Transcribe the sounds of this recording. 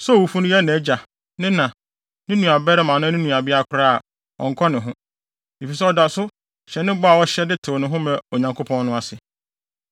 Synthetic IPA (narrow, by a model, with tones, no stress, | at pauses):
sɛ˦˨wu˨fu˦nʊ̃˦jɛ˦˨nɛ̃˨˦d͡ʑa˨ | nɪ̃˦nã˨ | nɪ̃˦nũ˨a˨bɛ˦ɾɛ˦mã˨nʊ̃˦nɪ̃˦nũ˨a˨bɪ˦a˦˨kʰʊ˦ɾa˦a˨ | ɔ̰̃˨ŋ̩˨kʰɔ˦nɪ̃˨ɦʊ̃˦ | e˨fi˨s̬ɛ˦ɔ˨da˨sʊ˦ | ɕɛ˨nɪ̃˦bɔ˦a˨wɔ˦ɕɛ˦dɪ˦tʰɪ˨nʊ̃˨ɦʊ̃˦mɛ̃˨o˨ɲã˨ŋkʰo˦pʰɔ̃˦nːʊ̃˦a˨sɪ˨